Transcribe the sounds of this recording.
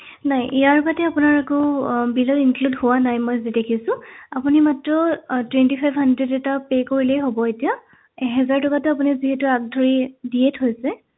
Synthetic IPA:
najʔijaɹbatɛapʊnaɹakɔbilɔkinkludhʊwanajmɔjzidekʰisʊ̃apunimatɹɔtwɛntipʰajbhandɹɛtɛtapekoɹilɛjɦobɔetija | ɛɦɛzaɹtɔkatʊap̬uniziɦɛtʊak̚dʱɔɹidietɦojsɛ

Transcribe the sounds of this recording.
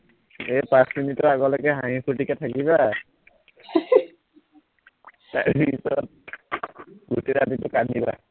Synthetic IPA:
epasminitɔɹaɡɔlɔkɛɦãĩpʰutikatʰakiβa | ta̰ɹpisɔt̚ | ɡoteɹaditʊkaniba̰

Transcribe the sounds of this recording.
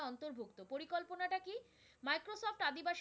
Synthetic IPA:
ɔnt̪oɾbʱukt̪opoɾikolponaʈaki | majkɾosɔfʈad̪ibaʃ

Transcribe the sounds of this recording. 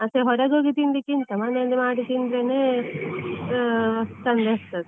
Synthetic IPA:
ɐt̪eɦɔɾɐd͡ʒoːɡit̪ind̪ikint̪ɐmɐneɐnd̪ɐmaːɽit̪ind̪ɾene | sɐnd̪est̪ɐd̪e

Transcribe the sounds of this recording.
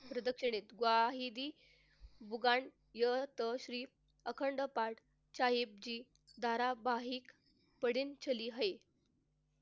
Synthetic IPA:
pɾəd̪əkʂəɽ̃et̪ɡʋaɦid̪iː | bʱuɡaɳ | jət̪əɕɾiː | əkʰəɳɖəpaʈ | t͡ɕajip̚d͡ʑiː | d̪ʱaɾabaɦiːk | pəɽiːnt͡ɕʰəliːɦəe

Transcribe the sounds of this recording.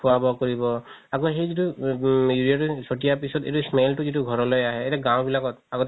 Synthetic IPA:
pʰuabɔkoɹibɔaɡɔɦejzitujuɹiatusotijapisɔtḛtusmeltuzituɡʱɔɹɔlɔjaɦɛːtɛɡãw̃bilakɔt̚aɡɔt

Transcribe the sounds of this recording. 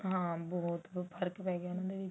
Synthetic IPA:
ɦãːbɔːt̪pʰəɾkpɛːɡaːonãːd̪eːʋi

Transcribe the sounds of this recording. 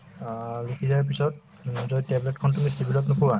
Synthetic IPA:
ɹukizap̬isɔt̚ | zɔtɛbletkʰɔntumistibilɔknɔpuwa

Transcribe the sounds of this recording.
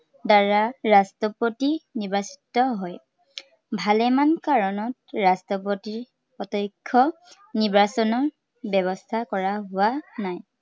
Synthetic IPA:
daɹaɹastɔpotiniɹbasi̥tɔɦɔj | bʱalɛmankaɹɔnɔtɹastɔpotiɹ | ɔtɔjkʰːɔ | niɹbasɔnɔɹ | bɛβɔstʰakɔɹaɦʊwanaj

